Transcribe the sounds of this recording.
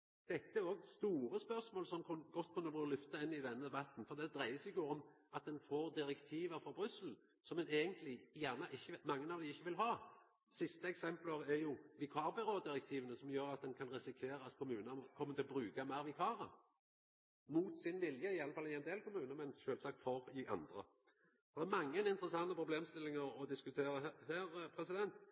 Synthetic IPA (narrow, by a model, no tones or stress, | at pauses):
d̪̥ɛt̪ːəæɾoːɡst̪uːɾəspœʁsmoːlsɔmkʰʊɡɔt̪ːkʰʉnːəbʁʉːɾəlʏft̪ɑɪnːɪd̪ɛnːəd̪ɛbɑt̪ːn̩fɔɾd̪ɛd̪ɾæɪəsɪɡoːɾɔmɑt̪̚d̪ɛnfoːɾd̪ɪɾɛkt̪ʰiːʋəɾfɾɔbɾʏsəl̩ | sɔmɛneːɡənt̪lɪjæːʁnəʔɪçːəmɑŋːənɑʋd̪ɪɪçːəʋɪlɦɑː | sɪst̪əɛksɛmpləɾɛɾjʊʋɪkʰɑːʁbɪɾoːd̪ɪɾɛk̚t̪ʰiːʋənəsɔmjøːɾɑt̪̚d̪ɛnkʰɑnʁɛsɪkʰʋeːɾəɑt̪kʰʊmʉːnəkʰɔmːət̪ʰɪlɔbɾʉːkɑmæɪʁʋɪkʰɑːɾə | muːt̪sɪnʋɪljəɪɑlːəfɑlːɪɛnd̪eːlkʊmʉːnəɾmɛnʃøːlsɑk̚t̪fɔʁɪʔɑ̰nd̪ɾə̰ | ɔd̪ɛɛɾmɑŋːənɪnt̪əɾəsɑnːəpʰɾʊbleːmst̪ɪlːɪŋəɾɔd̪ɪskʉt̪ʰeːɾəhæːɾpʰɾɛsɪd̪ɛnt̪